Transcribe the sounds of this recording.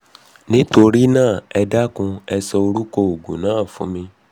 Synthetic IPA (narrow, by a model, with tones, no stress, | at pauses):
nĩ˦to˧ɾi˦nãː˦˨ɛ˧da˦kũ˧ɛ˧sɔ˧o˧ɾu˦kɔ˧o˨ɡũ˨nãː˨˦˨fṵ̃˨˦mĩ˧